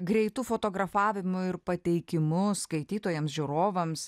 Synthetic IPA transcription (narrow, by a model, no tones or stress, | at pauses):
ɡɾʲɛɪt̪uːfoːt̪oːɡɾɐfɑːʋʲɪmʊɪɾpɐt̪ʲɛɪkʲɪmʊsskɐɪt̪ʲiːt̪oːjɛmsʒʲuɾoːʋɐms